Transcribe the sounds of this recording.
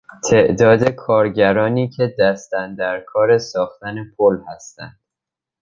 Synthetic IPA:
t̪ʰe̞ʔd̪ɒːd̪e̞kʰɒːɾɟæɾɒːniːcʰe̞d̪æst̪ænd̪æɾkʰɒːɾe̞sɒːxt̪æne̞pʰolhæst̪æ̰nd̪̥

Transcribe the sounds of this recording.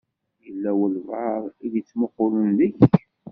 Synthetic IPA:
jəlːæwəlvəɾˤiðit͡sːmoqʊlənləç

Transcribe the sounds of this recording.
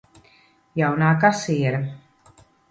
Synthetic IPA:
jawnaːkasiɛɾa

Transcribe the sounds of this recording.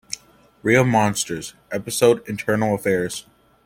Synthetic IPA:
ɹilˠmɑ̃nstə˞z̥ʔɛpɨsoʊɾɨ̃ntʰɜ˞nl̩ˠəfɛɹz̥

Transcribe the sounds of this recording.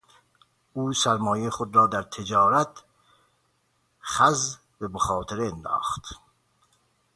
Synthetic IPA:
uːsæɾmɒːjejxod̪ɾɒːd̪æɾt̪ʰed͡ʒɒːɾæt̪ | χæz | beboxɑːt̪ʰeɾeːnd̪ɑ̰ːχt̪

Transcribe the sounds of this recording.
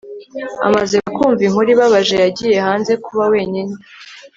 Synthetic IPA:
a̰mazeakuːɱviŋuɾiβaβaʒe̞jaɟiːje̞haːnze̞kuβawe̞ːɲini

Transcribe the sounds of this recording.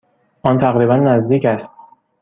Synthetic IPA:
ʔɒːnt̪ʰæɣɾiːbænːæzd̪iːcæst̪̚

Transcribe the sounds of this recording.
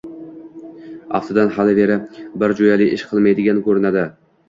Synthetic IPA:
ɑ̰ft̪ʰɪd̪anhalɪveɾɪbɪɾd͡ʒojalɪjʔɪʃqʰɨlˠmajd̪ɪɡʲankʰɵɾɪnad̪ɪ

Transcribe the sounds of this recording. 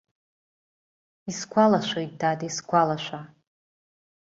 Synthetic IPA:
iskʷʰalaʃʷojt̚dadiskʷalaʃʷa

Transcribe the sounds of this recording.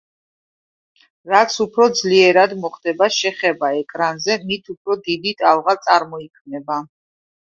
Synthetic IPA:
ɾat̪sʰupʰɾɔd̪zliɛɾad̪mɔχd̪ɛbaʃɛχɛbaɛkʼɾanzɛmit̪ʰupʰɾɔd̪id̪it̪ʼalʁat̪sʼaɾmɔikʰmnɛba

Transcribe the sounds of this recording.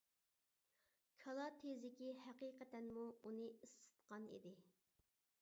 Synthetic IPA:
kʰɑlˠɑt̪ʰezɪkʲihɛqiqʰɛt̪ɛnmuunɨisːɨ̥t̪qɑnḭd̪ɪ

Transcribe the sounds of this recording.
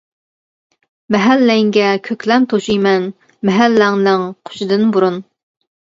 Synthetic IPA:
mɛɦælːɛŋɡʲɛkʲʰøkʲlɛmt̪ʰoʃijmɛn | mɛɦælːæŋnɨŋqʰo̥ʃɪd̪ɨnbuɾun

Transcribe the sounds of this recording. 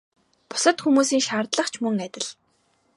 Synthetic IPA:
pʊ̥sə̆t̪xumuːsiːŋʃaːrt̪ɮə̆χt͡ɕʰmɵŋæt̪ʲɪ̆ɮ̥

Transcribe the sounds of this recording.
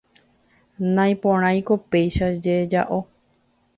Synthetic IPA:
nãj̃põɾ̃ãj̃ko̞pe̞jʃad͡ʒed͡ʒa̰ʔo̞

